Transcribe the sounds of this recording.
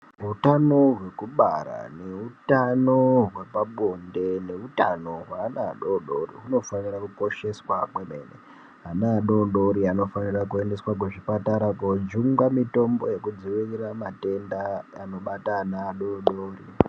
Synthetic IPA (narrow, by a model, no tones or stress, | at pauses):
ɦutano̞ɦwe̞kuɓa̰ɾa̰ne̞utanoɦwe̞paɓo̞nde̞ne̞utano̞ɦwaːnaɗoɗo̰rḭɦuno̞fanirakuko̞ʃe̞swakweme̞̰nḛ | ɦanaːɗo̞ɗo̞ɾiano̞fanirakue̞nde̞swak̬uʐipataɾakod͡ʒuŋɡamito̞mbo̞je̞kud͡ziʋiriramate̞ndaano̞ɓataːnaːɗonɗoːri